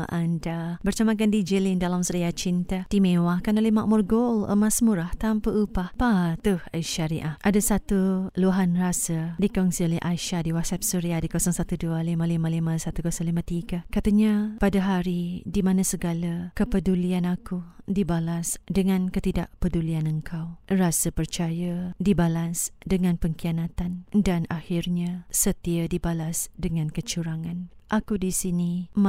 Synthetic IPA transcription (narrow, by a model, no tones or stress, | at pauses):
ʔandabərt͡ʃamak̬andid͡ʒəlindalamsəɾiat͡ʃint̪ad̥imewakanolɛhmaʔmʊrɡolə̰masmuɾaht̪ampəʔupahpat̪uhəʃaɾiʔahʔʔadasat̪uluaɦanrasədikɔnsiolɛhʔaʃadiwasɛp̚suɾiadikosɔŋsat̪udualimalimalimasat̪ukosɔŋlimat̪iɡəkat̪əɲapadəɦaɾidimãnãsəɡaləkəpədulianakudibalasdəŋãnkət̪idaʔpədulianəŋkʰawrasəpərt͡ʃajədibalasdəŋãnpəŋkianat̪andanahirɲasət̪iədibalasdəŋãnkət͡ʃuɾaŋãn | ʔakudisinim